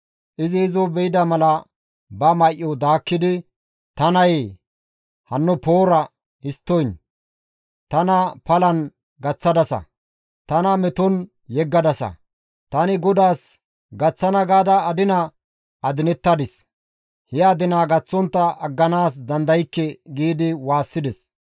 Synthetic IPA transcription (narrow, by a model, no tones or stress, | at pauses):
ʔɪzɪːzɔbɛjɪd̪ɐmɐlɐ | bɐmɐʔːɔd̪aːkːɪd̪ɪ | t̪ɐnɐje | hɐnːʊpo̞ːɾɐ | ɪst̪ːɔjn | t̪ɐnɐpɐlɐn | ɡɐt͡sːɐd̪ɐsɐ̰ | t̪ɐnɐmɛt̪ɔn | jɛɡːɐd̪ɐsɐ̰ | t̪ɐnɪɡɔd̪aːs | ɡɐt͡sːɐnɐɡaːd̪ɐːd̪ɪnɐ | ɐd̪ɪnɛt̪ːɐd̪ɪs | hɪaːd̪ɪnaːɡɐt͡sːɔnt̪ːɐɐɡːɐnaːs̬d̪ɐnd̪ɐjkːɛɡiːd̪ɪwaːsːɪd̪ɛs